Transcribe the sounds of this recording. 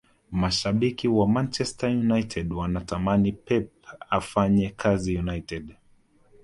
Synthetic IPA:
maʃaɓikiwamant͡ʃɛstajunajtʰɛdwanatamanipɛp̚afaɲɛkʰazijunajtɛd

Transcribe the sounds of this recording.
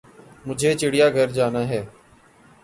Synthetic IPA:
mʊd͡ʒʱeːt͡ʃɪɽɪjaːɡʱəɾd͡ʒaːnaːɦɛː

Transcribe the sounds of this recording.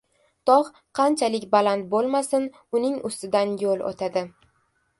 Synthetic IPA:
t̪ʰɒʁ | qʰɑnt͡ʃʰalɪkʲbalant̪̚bolˠmasɪn | ʊnɪŋʊst̪ɪd̪anjolˠo̰t̪ʰad̪ɪ

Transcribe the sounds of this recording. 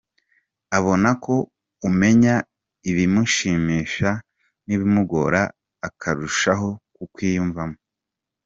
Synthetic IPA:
aβo̞nako̞ | ume̞ɲa | iβimuʃiːmiːʃa | niβimuɡo̞̰ɾaː | kʰaɾuʃaɦo̞kukwiːjuɱvamo

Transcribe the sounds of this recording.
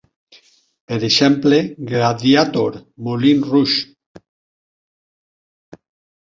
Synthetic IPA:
peɾeʃempleɡɾaðjat̪oɾmolinruʃ

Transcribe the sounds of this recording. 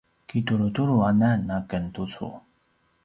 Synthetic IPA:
kituɾutuɾuananːakəntut͡sṵ

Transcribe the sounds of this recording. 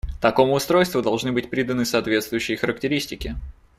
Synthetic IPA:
t̪ɐko̞mʊʊst̪ɾo̞jst̪vʊd̪ɐlˠʐnɨbɨtʲpɾʲid̪ənɨsɐːt̪vʲe̞t̪st̪vʊjʉɕːɪjxəɾək̚tʲɪɾʲisʲtʲɪkʲɪ

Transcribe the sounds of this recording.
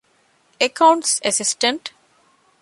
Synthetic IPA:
ekãʊ̃ɳʈsesɪsʈə̃ɳʈ

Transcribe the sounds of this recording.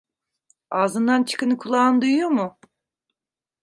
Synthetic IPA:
aːzɯnd̪ant͡ʃʰɯ̥kʰɯnɯkʰulˠaːnd̪ujjomʊ

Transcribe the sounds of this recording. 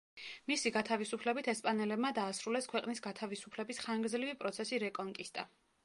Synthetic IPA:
misiɡat̪ʰavisupʰlɛbit̪ʰɛspʼanɛlɛbmad̪aːsɾulɛskʰwɛqʼnisɡat̪ʰavisu̥pʰlɛbisχaŋɡɾd̪zlivipʼɾɔt̪sʰɛsiɾɛkʼɔŋkʼist̪ʼa

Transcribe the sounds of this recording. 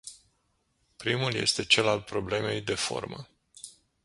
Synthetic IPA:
pɾimulje̞̰st̪e̞t͡ʃe̞lalpɾo̞ble̞me̞jd̪e̞fo̞̰rmə̰

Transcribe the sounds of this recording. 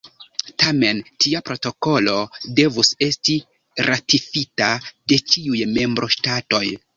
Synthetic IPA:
tame̞ntiapɾo̞to̞ko̞lo̞de̞vuse̞sti | ɾʔatifitade̞t͡ʃiujme̞mbɾʔo̞ʃtato̞j

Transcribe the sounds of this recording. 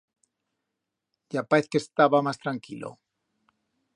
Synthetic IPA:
ɟ͡ʝapaeθkest̪aβamast̪ɾaŋkilo̰

